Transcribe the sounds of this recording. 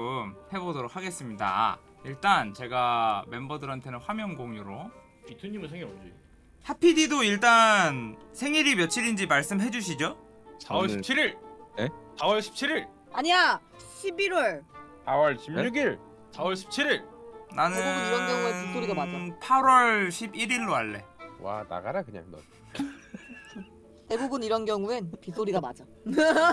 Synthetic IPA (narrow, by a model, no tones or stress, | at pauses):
mhe̞bodoɾok̚haɡe̞s͈ɯmɲida̰ | iɭt͈ant͡ɕe̞ɡame̞mbʌdɯɾɦantʰe̞nɯnɸwamjʌŋɡoŋɲuɾo | pitʰuɲimɯɭsʰeŋɡjʌd͡ʑi | hʰapʰididoiɭt͈ansʰe̞ŋiɾimjʌt͡ɕʰiɾind͡ʑimaɭs͈ɯmɦe̞d͡ʑuɕʰid͡ʑo | sawʌɭɕʰipt͡ɕʰiɾiɭnsawʌɭɕʰi̥p̚t͡ɕʰiɾiɭ | aɲia | ɕʰibiɾwʌɭsawʌɭɕʰimɲuɡiɭ | sawʌɭɕʰi̥p̚t͡ɕʰiɾiɭnanɯebuniɾʌnɡjʌŋueinsʰoɾiɡamad͡ʑapʰaɾwʌɭɕʰibiɾiɭːoaɭːe̞̰wa̰na̰ɡaɾakɯɲa̰ŋnʌ̰ | te̞bubuniɾʌnɡjʌŋuenpisʰoɾiɡamad͡ʑa